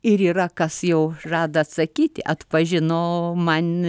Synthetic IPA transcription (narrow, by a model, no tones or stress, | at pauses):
ɪɾiːrɐkɐsjɛʊrɑːd̪ɐɐt̪sɐkʲiːt̪ʲɪʔɐt̪pɐʒʲɪnoːmɐnʲ